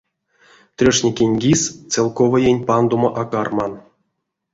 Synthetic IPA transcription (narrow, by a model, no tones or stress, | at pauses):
t̪rʲoʂnʲekʲenʲɡʲist͡selˠkovəjenʲpand̪omoʔakarmɑn